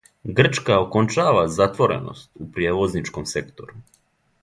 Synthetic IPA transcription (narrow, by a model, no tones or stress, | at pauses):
ɡr̩t͡ʃkaokont͡ʃaːʋazat̪ʋo̞ɾe̞̰no̞̰st̪upɾijeʋo̞znit͡ʃko̞mse̞kt̪o̞ɾu